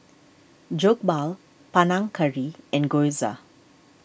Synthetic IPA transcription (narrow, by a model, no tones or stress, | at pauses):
d͡ʒok̚bal | panãŋkʰəɹiɛ̃nɡojza̰